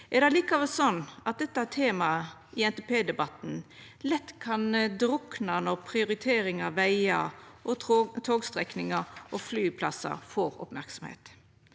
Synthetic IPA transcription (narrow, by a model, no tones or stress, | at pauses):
ʔɛʁd̪æɪliːkɑʋəsɔnːɑt̪̚d̪ɛt̪ːəæt̪ʰːeːmɑ | ʔɪɛnt̪ɛpeːd̪ɛbɑt̪n̩ | lɛt̪ːkʰɑnd̪ɾʊknɑnɔʁpʰɾɪʊɾɪt̪ʰeːɾɪŋɑʋæɪɑʔɔt̪ʰoːɡst̪ɾɛknɪŋəʔɔflyːpʰlɑ̰sɑ̰foːɾɔ̰pmæɾksɔmhḛːt̪